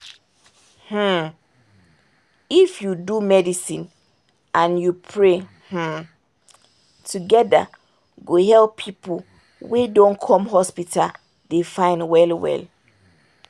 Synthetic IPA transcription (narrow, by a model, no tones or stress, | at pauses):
h̩ | ifjudumɛdisĩn | ʔãnjupʰɹe | h̩ | tʰuɡɛda̰ | ɡohɛlppʰipo | wedɔ̃nkʰɔ̃mɦɔspitʰal | defãɪ̃nwɛlwɛ̰l